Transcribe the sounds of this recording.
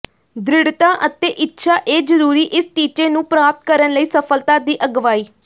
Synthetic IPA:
d̪ɾɪɽt̪aːʔət̪eːʔɪtːʃʰaːʔeːd͡ʒəɾuːɾiːʔɪst͡ʃiːt͡ʃeːnũːpɾaːp̚t̪̚kəɾənləiːsəpʰəlt̪aːd̪iːʔəɡʋaːiː

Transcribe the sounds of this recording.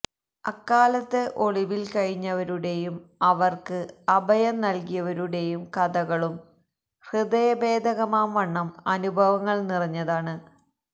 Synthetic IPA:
ɐkːaːlɐt̪ːɨʔo̞ɭiʋilkɐɻiɲːɐʋɐɾuɽe̞jumɐʋɐrkɨɐbʱɐjɐmnɐlkijɐʋɐɾuɽe̞jumkɐd̪ɐɣɐɭum | hrɨd̪ɐjɐbe̞ːd̪ʱɐɣɐmaːmʋɐɳːɐmɐnubʱɐʋɐŋːɐɭnirɐɲːɐðaːɳɨ

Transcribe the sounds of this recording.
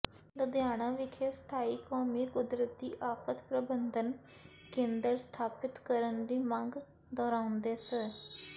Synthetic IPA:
ləd̪jaːɽ̃ãːʋɪkʰeːst̪ʰaːiːkoːmiːkʊd̪ɾət̪̚d̪ḭːʔaːfʰət̪pɾəbənd̪ən | kẽːnd̪əɾst̪ʰaːpɪt̪kəɾənd̪iːməŋɡ | d̪ɔːɾaːʊnd̪eːsə

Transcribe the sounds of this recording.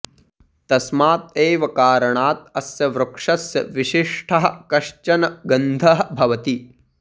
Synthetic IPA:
t̪ɐsmaːt̪̚eːʋɐkaːɾɐɳaːt̪̚ɐsjɐʋɾɐkʂɐsjɐ̰ʋiʃiʂʈʰɐɦɐ̆kɐʃt͡ʃɐnɐɡɐnd̪ʱɐɦɐ̆bʱɐʋɐt̪i

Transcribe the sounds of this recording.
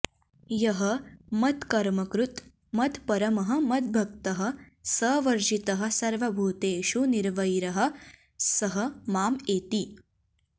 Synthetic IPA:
jɐɦɐmɐt̪kɐɾmɐkɾut̪ | mɐt̪pɐɾɐmɐɦɐ̆mɐt̪̚bʱɐkt̪ɐɦɐ̆ | sɐːʋɐɾd͡ʒit̪ɐɦɐ̆sɐɾʋɐbʱuːt̪eːʃuniɾʋɐjɾɐɦɐ̆ | sɐɦɐ̆maːmeːt̪i

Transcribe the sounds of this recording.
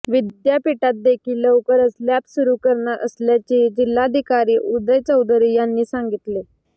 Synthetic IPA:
ʋid̪japiʈat̪̚d̪ekʰiːlːəwkəɾəsljapsuɾuːkəɾɳaʔə̰sljat͡ɕed͡ʑilːaəd̪ʱikaɾiːʔud̪əjt͡səwd̪əɾijanːiːsãŋɡit̪le

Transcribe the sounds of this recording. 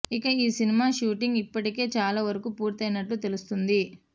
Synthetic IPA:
ikɐiːsinimaːʃuːʈiŋɡipːɐʈike̞ːt͡ʃaːlaːʋɐɾɐkuːpuːɾt̪ɐjnɐʈːut̪e̞lust̪und̪i

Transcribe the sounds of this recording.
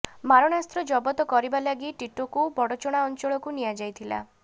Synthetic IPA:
maɾɔɽast̪ɾɔd͡ʒɔbɔt̪ɔkɔɾibalaɡiʈiʈokubɔɽɔt͡ʃɔɽ̃aɔnt͡ʃɔɭɔkunijad͡ʒajt̪ʰila̰

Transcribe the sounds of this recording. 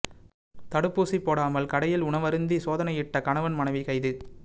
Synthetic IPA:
t̪ɐɽɯpːuːsipːoːɽaːmɐlkɐɽɐjɪlʊɳɐʋɐɾɯnd̪isoːðɐnɐɪjɪʈːɐkɐɳɐʋɐnmɐɳɐɪʋikɐɪðɯ

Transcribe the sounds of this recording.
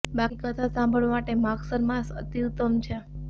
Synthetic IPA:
bakikət̪ʰasãmbʱəɭʋamaʈemaksəɾmãsə̰t̪iut̪əmt͡ʃʰe

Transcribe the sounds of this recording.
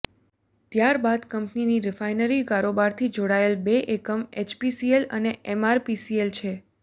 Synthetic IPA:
t̪jaɾbad̪kəmpniniɾɪfajnəɾikaɾobaɾt̪ʰid͡ʒoɽaelbeʔekəmet͡ʃpisielə̰neɛmaɾpisielt͡ʃʰe

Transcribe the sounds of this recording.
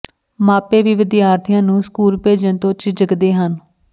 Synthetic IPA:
maːpeːʋiːʋɪd̪jaːɾt̪ʰɪjãːnũːskuːlpeːd͡ʒənt̪õːt͡ʃd͡ʒəɡd̪eːɦən

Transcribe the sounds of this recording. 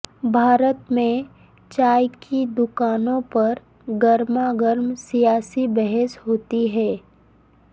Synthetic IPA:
bʱaːɾət̪mẽ | t͡ʃaːjkʰid̪ʊkaːnõpɐɾ | ɡəɾmaɡəɾmsijaːsibɛɦɛsɦoːt̪iɦɛː

